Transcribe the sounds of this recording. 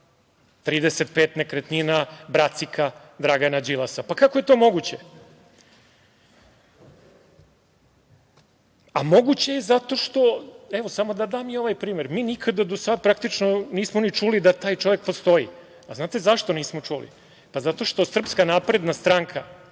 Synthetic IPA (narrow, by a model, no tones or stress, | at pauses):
t̪ɾiːd̪eset̪̚peːt̪nekɾet̪ninabɾat̪sikʰad̪ɾaɡanad͡ʑilasapakako̞je̞t̪oːmo̞ɡut͡ɕe | amo̞ɡut͡ɕejezat̪o̞ʃt̪o̞eʋosamo̞d̪ad̪aːmio̞ʋajpɾiːme̞ɾmiːnikʰad̪ad̪osad̪̚pɾakt̪it͡ʃnoniːsmonit͡ʂulid̪at̪aːjt͡ʃo̞ʋe̞k̚po̞st̪o̞jḭ | aznaːt̪e̞zaʃt̪oniːsmo̞t͡ʂulḭ | pazat̪o̞ʃt̪o̞sr̩pskanaːpɾe̞d̪nast̪ɾaːŋkʰa